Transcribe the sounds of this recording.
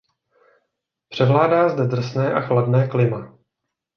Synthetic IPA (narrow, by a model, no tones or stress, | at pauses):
pr̝̥ɛvlaːdaːzdɛd̪r̩snɛːʔaxladnɛːklɪma